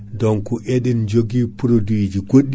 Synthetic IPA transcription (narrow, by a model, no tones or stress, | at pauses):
dɔŋkuʔeɗɛnd͡ʒoɡipuɾodid͡ʒiɡoɗː